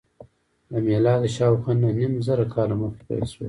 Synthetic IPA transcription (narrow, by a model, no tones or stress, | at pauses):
d̪amelɑːd̪əʃɑːwxanahnimzəɾakʰɑːlaməxkpa̰lswḛ